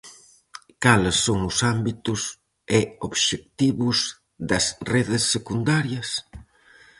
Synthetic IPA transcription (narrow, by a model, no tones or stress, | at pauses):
kalɪsːoŋʊsambit̪ʊs | ɪoβʃek̚t̪iβʊs | d̪ɐsreðɪsːekund̪aɾjɐs